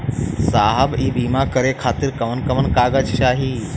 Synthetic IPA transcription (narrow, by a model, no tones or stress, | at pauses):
saːɦəbiːbiːmakɐɾekʰaːt̪iɾkɐmənkɐmənkaːɡad͡ʒʃaːɦi